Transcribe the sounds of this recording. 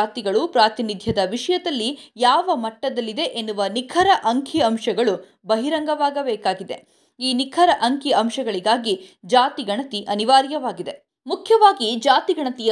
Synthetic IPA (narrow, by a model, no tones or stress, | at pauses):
aːt̪iɡɐɭupɾaːt̪inid̪ʱjɐd̪ɐʋiʂɐjɐd̪ɐlːijaːʋɐmɐʈːɐd̪ɐlːid̪e̞ʔenːuʋɐnikʰɐɾɐʔɐŋkʰiɐmʃɐɡɐɭu | bɐɦiɾɐŋɡɐʋaːɡɐbɛːkaːɡid̪e̞̰ | iːnikʰɐɾɐʔɐŋkiɐmʃɐɡɐɭiɡaːɡid͡ʒaːt̪iɡɐɳɐt̪iʔɐniʋaːɾjɐʋaːɡid̪e̞ | mukʰjɐʋaːɡid͡ʒaːt̪iɡɐɳɐt̪ijɐ